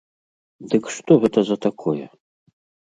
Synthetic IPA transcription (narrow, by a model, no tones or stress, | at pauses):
d̪ɨkʂt̪ɔɣɛt̪ɐzɐt̪akʰɔjɛ